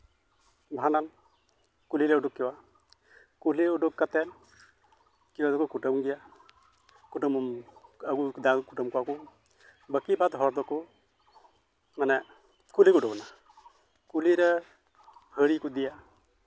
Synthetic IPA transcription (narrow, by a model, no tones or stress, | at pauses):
bʱanan | kuliɾɛuɖukːɛwa | kuliuɖukːat̪ɛn | kiwad̪ɔkukuʈəmɡija | kuʈɔmmaɡud̪ãkuʈɔmkuwaku | bəkibat̪ɦɔɾd̪ɔku | manɛ | kulikuɖɔkɔna | kuliɾɛ | həɽikud̪ija